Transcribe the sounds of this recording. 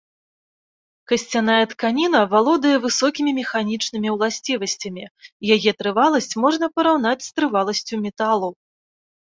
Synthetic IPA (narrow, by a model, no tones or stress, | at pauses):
kɐsʲt͡sʲanajɛt̪kanʲinɐvalˠɔd̪ɐjɛvɨsɔkʲimʲimʲɛxanʲit͡ʂnɨmʲiwlˠasʲt͡sʲivɐsʲt͡sʲɐmʲijajɛt̪ɾɨvalˠɐsʲt͡sʲmɔʐn̪ɐpɐɾawn̪at͡sʲst̪ɾɨvalˠɐsʲt͡sʲumʲɛt̪alˠɐw